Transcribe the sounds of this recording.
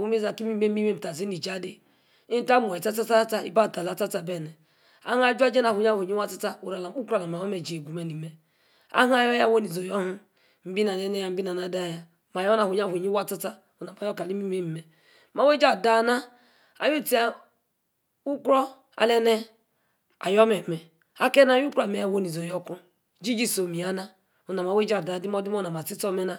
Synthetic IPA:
u˦m˦e˦za˨ki˦mi˦e˦i˦me˦˨m̩˨ta˨zi˦ni˨d͡ʒa˦di˦ | i˦ta˦mo˨e˨ta˦t͡sa˦t͡sa˦t͡sa˦ḭ˦ba˦˨ta˨la˨t͡sa˦t͡sa˨be˦˨nɛ˨ | a̰˦ha˦d͡ʒʷa˦d͡ʒe˦na˨hu˨ɲ˦a˦˨u˨ɲi˦wa˦ta˦t͡sa˦o˨ɾa˨la˨m˦u˦kɾla˨ma˨o˦me˨d͡ʒe˨ɡu˨me˨ni˨me˨ | a̰˦ɦa˦jɔ˦ja˦wo˦ni˨zo˨jo˦ɦu˦ | m̩˦bi˦na˨ne˦ne˦ja˨m̩˦bi˦na˨na˦da˦˨ja˦ | ma˨jɔ˦na˨hu˨ɲ˦a˦˨u˨ɲi˦wa˦t͡sa˦t͡sa˦ | u˨na˨ma˨jɔ˦ka˨li˦mi˦me˦m̩˨me˨ | ma˨we˦d͡ʒa˦˨da˦na˦ | a̰˨ju˦ti˦a˦ | u˦kɾɔ˦ | a̰˨le˦ne˦ | a̰˨jɔ˦me˨me˨ | a˦ke˦na˦ju˦kɾa˨me˨ja˦˨wo˦ni˨zo˨jɔ˦ku˦ | d͡ʒi˦d͡ʒi˦so˨mi˨a˦na˦ | u˨na˨m˨a˨we˦d͡ʒa˦˨da˨di˦m˦ɔ˦di˦m˦o˦na˨ma˨i˦tɔ˦me˦na˦

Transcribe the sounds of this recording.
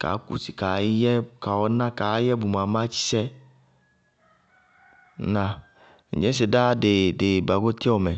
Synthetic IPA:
ka̰˨˦kṵ˨si̥˨ka˨˦jɛ˦˨ka˨wɔ˦nã˦ka˨˦jɛ˦bu˨ma˨˦mã˦t͡ʃi̥˦sɛ˦ | nã˧ | n̩̰˨d͡ʒẽ˦s̬e˨da˦de˨de˨ba˨ɡo˦t̪i˦ɔ˨mɛ˨

